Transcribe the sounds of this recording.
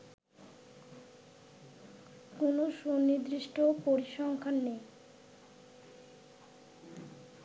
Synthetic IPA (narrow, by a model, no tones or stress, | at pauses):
konoʃonid̪ɾiʃʈʰopoɾiʃɔŋkʰanːej